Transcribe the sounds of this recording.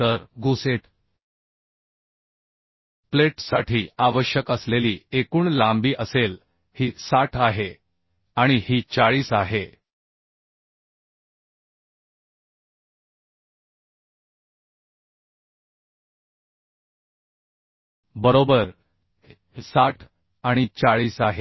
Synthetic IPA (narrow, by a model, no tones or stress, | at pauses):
əɾɡuseʈʰ | pleʈsaʈʰiːaʋəɕjəkəsleliːekuːɳlambiːʔəsel | hiːsaʈʰaɦe | aɽ̃ihiːt͡saɭiːsaɦe | bəɾobəɾ | saʈʰ | aɽ̃it͡saɭiːsaɦe